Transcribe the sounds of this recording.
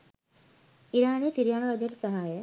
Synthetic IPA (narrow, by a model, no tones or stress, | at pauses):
iɾaːnijːsiɾijaːnuɾad͡ʒəʈəsaɦajə